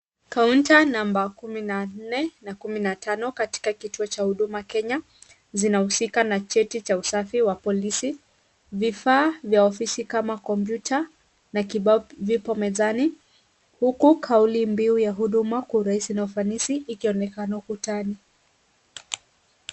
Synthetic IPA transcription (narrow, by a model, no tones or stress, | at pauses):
kauntanambakuminan̩nɛnakuminatanɔkati̥kakituɔt͡ʃahuɗumakɛɲa | zinahusikanat͡ʃɛtit͡ʃausafiwapɔlisi | vifaːvjaɔfisikamakɔmpjutʰa | nakiɓavipɔmɛzani | hukukʰaulimbiujaɦuɗumakuɾaisinaufanisiːkiɔnɛkanaukutani